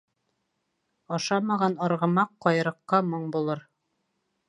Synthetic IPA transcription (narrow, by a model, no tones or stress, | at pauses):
ɑʃɑmɑʁɑnɑɾʁɤ̆mɑqːɑjɾɤ̆qːɑmoɴbulˠɤɾ